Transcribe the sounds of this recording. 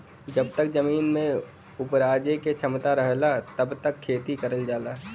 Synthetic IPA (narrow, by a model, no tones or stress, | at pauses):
d͡ʒəb̚t̪ək̚zɐmiːnmẽ | ʊpɾaːd͡ʒeket͡ʃʰɐmt̪aɾəɦlat̪əbt̪əkʰːeːt̪ikɐɾəld͡ʒaːlaː